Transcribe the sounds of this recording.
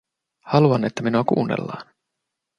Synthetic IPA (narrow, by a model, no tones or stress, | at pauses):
hɑluɑne̞t̪ːæminuɑkṵːnːḛlːɑ̰ːn